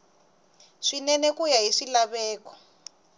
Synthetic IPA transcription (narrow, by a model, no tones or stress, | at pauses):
ʂinɛnɛkujaɦiʂilaβɛːkɔ̥